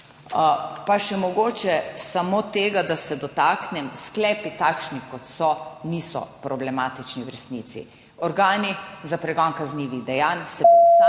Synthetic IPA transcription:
paʃɛmɔɡoːt͡ʃɛsamot̪eːɡad̪asɛd̪ɔt̪aːknɛmsklɛːpit̪akʃnikɔt̪sɔnisɔ̰pɾɔblɛmaːt̪it͡ʃniwɾɛst̪niːt̪sḭ | ɔɾɡaːnizapɾɛɡɔnkazniːʋiɣd̪ɛjaːnsɛpusa

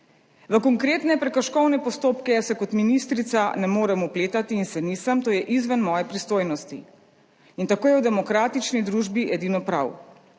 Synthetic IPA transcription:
ʋəkɔŋkɾeːt̪nɛpɾɛkɐʃkɔwnɛpɔst̪oːpkɛsɛkɔt̪minist̪ɾit̪sanɛmoːɾɛmupleːt̪at̪iːnsɛnisamt̪oːjɛʔizʋənmɔːjɛpɾist̪oːjnɔst̪i | int̪akoːjɛwd̪ɛmɔkɾaːt̪it͡ʃnid̪ɾuʒbiʔɛd̪iːnɔpɾa̰w

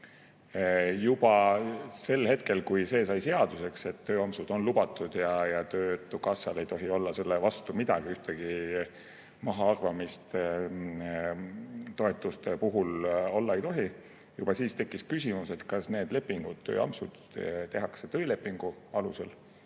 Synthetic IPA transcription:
jub̥ɑse̞lhe̞t̪̚ke̞lkujse̞ːsɑjse̞ɑd̪̥use̞kse̞t̪ːø̞ːɑmsud̪̥o̞nlubɑt̪ːˑud̪̥jɑjɑt̪øːt̪ːˑukɑsɑle̞jt̪o̞ɦio̞lːɑse̞lːevɑst̪umid̪̥ɑ̰ɡ̥iyht̪eɡ̥i | mɑɦɑɑrvɑmist̪ | t̪o̞e̞t̪ːˑust̪e̞puɦulo̞lːɑe̞jt̪o̞ɦi | jub̥ɑsiːst̪e̞kːiskysʲimuse̞t̪kɑsne̞ːd̪le̞pːˑiŋɡ̥ud̪̥t̪ːø̰ːɑ̰msud̪̥ | t̪e̞ɦɑkse̞t̪ø̞ile̞pːˑiŋɡ̥uɑluse̞l

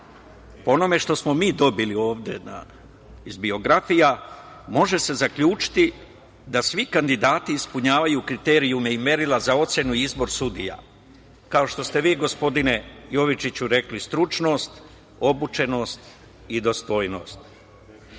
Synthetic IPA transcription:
poono̞me̞ʃt̪o̞smo̞miːd̪o̞bilio̞ːʋd̪e̞na̰ | izbio̞ɡɾafija | mo̞ʒe̞se̞zakʎuːt͡ʃi̥t̪i | d̪asʋikand̪id̪aːt̪iːspuɲaːʋajukɾit̪e̞ːɾiumeime̞ɾilazao̞t̪se̞nuiizbo̞ɾsud̪ija̰ | kao̞ʃt̪o̞st̪e̞ʋiːɡo̞spo̞d̪ine̞jo̞ʋit͡ʃit͡ɕuɾe̞klist̪ɾut͡ʃno̞st̪ | o̞but͡ʃe̞no̞ːst̪ | id̪o̞st̪o̞ːjnoːst̪̚

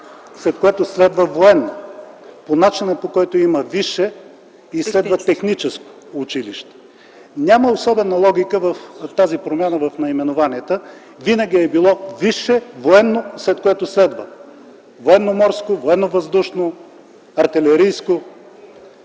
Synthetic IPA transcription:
slɛt̪̚koɛt̪ʊslɛd̪vəvoɛnːo | ponat͡ʃinəpokɔjt̪oiməviʃɛ | islɛd̪vət̪ɛxnit͡ʃɛsko̥ːt͡ʃiliʃt̪ɛ̥ | nʲaməosɔbɛnəlˠɔɡʲikəvəft̪azipɾomʲjanəvɐfnɐimɛnovaniɛt̪ə | vinəɡʲiɛbilˠɔviʃɛvoɛnːoslɛt̪̚koɛt̪ʊslɛd̪və | voɛnːomɔɾskovoɛnːovɐzd̪uʃno | ɐɾt̪ɛlɛɾijsko

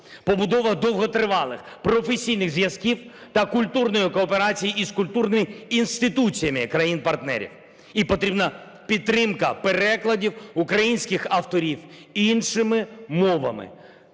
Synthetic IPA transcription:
pɔbʊd̪ɔʋɐd̪ɔwɦɔt̪ɾɪʋɑlˠɪ̰x | pɾɔfesʲijnɪɣzjɐzkʲiwt̪ɐkʊlʲt̪urnɔjikɔːpeɾɑt͡sʲijiːskʊlʲt̪urnɪmʲɪːnst̪ɪt̪ut͡sʲijɐmɪkɾɐjinpɐrt̪nɛ̰ɾʲḭw | ipɔt̪ɾʲibnɐ | pʲit̪ːɾɪmkɐpeɾɛklˠɐdʲiwukɾɐjinʲsʲkɪxɐft̪ɔɾʲiwinʃɪmɪmɔʋɐ̰mɪ̰

